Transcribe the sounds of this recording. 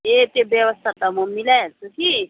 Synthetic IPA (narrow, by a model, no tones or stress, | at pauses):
et̪ebjewəst̪ʰat̪amumilat͡sʰuki